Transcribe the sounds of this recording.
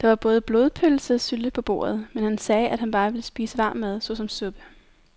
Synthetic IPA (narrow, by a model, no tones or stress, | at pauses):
d̥ɑ̈ʋɑ̈b̥ɔ̽ːð̞̩ˠb̥loːðˠpʰøl̩səsyld̥əpʰɒ̽b̥o̝̰ːɐð̞̩ˠmenhænsɛːʔæd̥ɦænb̥ɑ̈ːʋe̝ləsb̥ḭːsəʋɑ̈ːmːæð̞ˠsɔ̽sɒ̽msɔ̽b̥ə